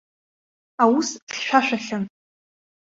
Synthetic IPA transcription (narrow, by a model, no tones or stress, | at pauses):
awusɬʃʷᶣaʃʷᶣaɬan